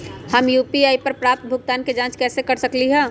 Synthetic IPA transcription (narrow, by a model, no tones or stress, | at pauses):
hɐmjuːpiaːipɐɾpɾaːp̚t̪̚bʱʊɡ̚t̪aːnked͡ʒãːt͡ʃkɛːsekɐɾsəkliɦɛ̃ː